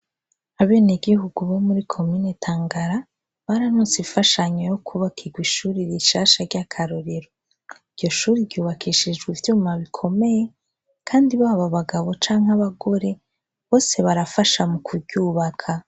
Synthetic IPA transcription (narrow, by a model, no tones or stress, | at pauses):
aβe̞ːniɡiɦuɡuβomuɾikʰo̞mine̞tʰaːŋɡaɾa | βaɾanusifaʃaɲojo̞kʰuβakʰiɡwiʃuːɾiɾiʃaːʃaɾɟakʰaɾoɾeɾo | ivɟo̞ʃuːɾibɟuːβakʰiʃid͡ʒɡwivjuːmaβikʰo̞me̞je̞ | kʰaːndiβaβaβaɡaβo̞t͡ʃaːŋɦaβaɡo̞ɾe̞ | βo̞ːse̞βaɾafaʃamukʰubɟuːβakʰa